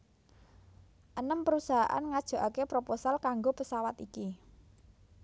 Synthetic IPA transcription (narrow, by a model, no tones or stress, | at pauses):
ʔənəmpəɾusaɦa̰ʔa̰nŋad̥ʒ̥o̤ʔakepɾoposalkaŋɡopəsawat̪iki